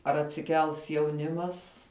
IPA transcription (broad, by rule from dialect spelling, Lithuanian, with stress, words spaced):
ɐr ɐtʲsʲɪˈkʲɛlˠs jɛʊˈnʲɪmɐs